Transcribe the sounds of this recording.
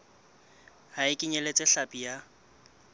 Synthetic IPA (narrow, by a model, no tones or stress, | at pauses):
haɪkʼɪɲelet͡sʼɪɬapʼija